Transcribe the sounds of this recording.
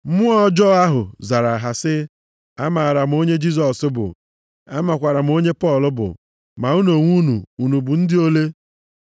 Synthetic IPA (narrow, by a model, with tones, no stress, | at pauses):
mʊ˦ɔ˦d͡ʒɔ˦a˦ɦʊ˨za˨ɾa˨ɦa˨sɪ˦ | a˦ma˨ɾa˨m̩˨o˦ɲe˦d͡ʒi˦s̬ɔ˨sɪ˦bʊ̰˨ | a˦ma˨kʷa˨ɾa˨m̩˨o˦ɲe˦pɔ˦˨lʊ˦bʊ̰˨ | ma˨u˦no˨ŋʷu˦nu˨u˨nu˨bʊ˨n̩˦dɪ˦o˦le˦